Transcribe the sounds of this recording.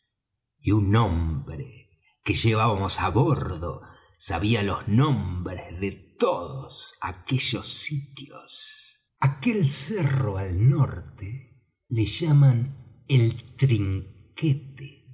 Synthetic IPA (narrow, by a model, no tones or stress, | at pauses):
iunːõmbɾḛ | keʒeβaβamosaβoɾðo̰ | saβialoznõmbɾezðet̪oðosa̰keʒosit̪jo̰s | akelseroalnoɾt̪e | leʒaman | elt̪ɾiŋket̪e̥